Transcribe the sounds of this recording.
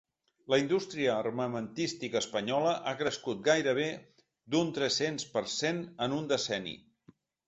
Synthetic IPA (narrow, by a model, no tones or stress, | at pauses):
ləind̪ust̪ɾiəːrməmənt̪ist̪ikəspəɲɔləʔakɾəskut̪̚ɡajɾəβ̞e | d̪unt̪ɾɛsenspəɾsenənund̪əsɛnḭ